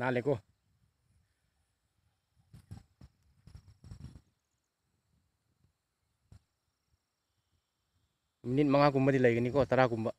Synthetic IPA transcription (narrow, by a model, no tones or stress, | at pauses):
nalekɔ | minit̚maŋak̬umbədilajɡənikɔtaɾakumbə